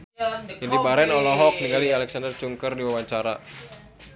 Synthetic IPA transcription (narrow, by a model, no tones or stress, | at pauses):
indibaɾɛnɔlɔɦɔk̚niŋɡalialɛksandərd͡ʒuŋkərdiwawaɲt͡ʃaɾa